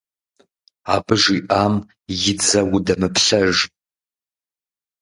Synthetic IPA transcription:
abɨʒiʔam | jɪd͡zɐwudɐmɨpʰɬɐʒ

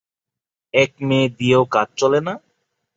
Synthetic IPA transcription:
ɛk̚mẽːd̪ieokat͡ɕ̚t͡ɕɔlena

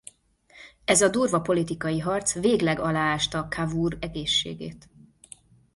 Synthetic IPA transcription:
ɛzɒd̪uːrvɒpo̞lit̪ikɒjiɦɒrt̪sveːɡlɛɡɒlaːaːʃt̪ɒːkʰavuːrɛɡeːʃːḛːɡḛːt̪

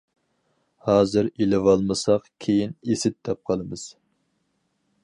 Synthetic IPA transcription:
hɑːzɨɾilɪvɑlˠmɨsɑqkʲʰejinesɪt̪̚d̪ɛp̚qʰəlˠɨmɨz̥

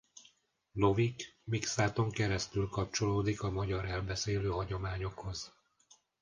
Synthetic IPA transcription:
no̞vikmiksaːt̪o̞ŋkɛɾɛst̪ylkɒp̚t͡ʃo̞loːd̪ikɒmɒɟɒɾɛlbɛseːløːɦɒɟo̞maːɲo̞kho̞z̥

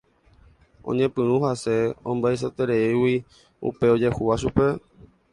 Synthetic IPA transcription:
õ̰ɲẽpɨ̃ɾũhase̞õmbaes̬ot̪eɾeiwi | ṵpeo̞d͡ʒe̞huʋaʃ̬upe̞

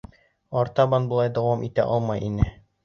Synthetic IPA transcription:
ɒɾt̪ɑbɑnbŏlˠɑjd̪ɒwɑmʔit̪æ̰ʔɒlˠmɑjʔinɘ

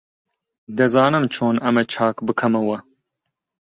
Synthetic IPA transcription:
d̪ɨzɑːnɨmt͡ʃʰoːnɐmɛt͡ʃʰɑːkbɨkʰɐmɐwɐ

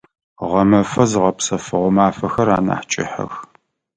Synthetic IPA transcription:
ʁɐmɐfɐzɨʁɐpsɐfɨʁʷʊmaːfɐxɐɾa̰ːna̰ːħt͡ʃʼɪ̰ħɐ̰x

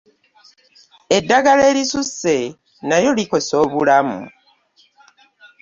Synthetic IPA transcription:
e̞dːaɡale̞ːlisusːe̞ | najo̞liko̞so̞ːβulamṵ

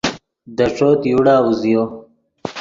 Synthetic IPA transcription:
d̪əʈ͡ʂoːt̪juɽaːuzijo

